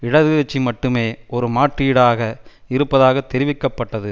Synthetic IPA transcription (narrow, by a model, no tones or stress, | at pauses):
ɪɽɐðɯɐt͡ʃːimɐʈːɯmeːɔɾɯmaːʈrɪɽaːɣɐɪɾɯpːɐðaːɣɐt̪ːɛɾɪʋɪkːɐpːɐʈːɐðɯ